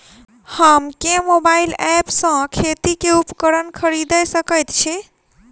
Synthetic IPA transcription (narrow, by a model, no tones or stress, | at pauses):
həmkemobailɛpsə̃kʰet̪ikeupkəɾənkʰəɾid̪əjsəkəjt̪t͡ʃʰi